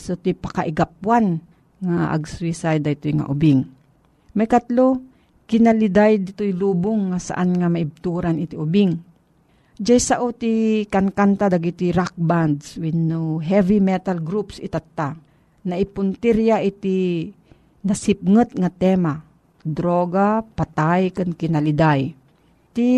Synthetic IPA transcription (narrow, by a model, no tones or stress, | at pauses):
sot̪ipakaʔɪɡap̚wan | ŋaʔa̰ɡswisajd̪ait̪ʊjŋa̰ʔʊbɪŋ | majkat̪lo | kɪnalɪd̪ajd̪ɪt̪ʊjluːbʊŋːasa̰ʔanŋamaɪb̚t̪uːɾanɪt̪iʔʊbɪŋ | d͡ʒajsaʔot̪ikankant̪ad̪aɡit̪iɾak̚band̪swinuɦɛvimɛt̪alɡɾupsɪ̰t̪at̪ːa | naʔɪpʊnt̪iɾjaʔit̪i | nasɪp̚ŋɨt̪̚ŋat̪ɛma | d̪ɾoɡapat̪ajkɨnkɪnalɪd̪aj | t̪i